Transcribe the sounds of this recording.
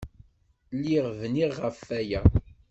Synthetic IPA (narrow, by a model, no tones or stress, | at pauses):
lːiʁvniʁʁəfːæjæ